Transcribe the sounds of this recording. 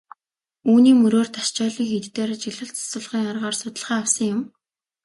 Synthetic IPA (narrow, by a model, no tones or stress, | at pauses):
uːniːmɵɾoːrt̪ḁʃt͡ɕɔːɮiːŋxet̪t̪eːɾt͡ɕiɮə̆ɬt͡sḁsʊ̆ɮχiːŋarʁɔːrsʊt̪ə̆ɮχæːawsə̆ŋjʊm